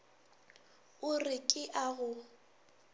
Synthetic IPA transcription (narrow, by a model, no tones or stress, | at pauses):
ʊrɪkʼɪʔaɣʊ